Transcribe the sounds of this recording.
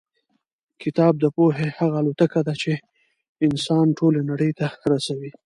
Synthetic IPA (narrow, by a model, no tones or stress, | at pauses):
kɪt̪ɑb̚d̪əpoɦehaɣaːlot̪akad̪at͡ʃe | ɪnsɑnʈolenaɽəjt̪aɾasawi